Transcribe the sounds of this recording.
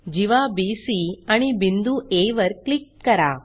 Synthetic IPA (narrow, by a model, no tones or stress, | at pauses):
d͡ʒiʋaːbiːsiːɐɳibind̪ueːʋɐɾklikːɐɾaː